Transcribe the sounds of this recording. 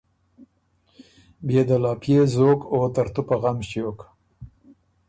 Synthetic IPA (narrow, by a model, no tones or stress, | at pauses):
bjed̪alɑpjezokot̪aɾt̪upaɣamʃjok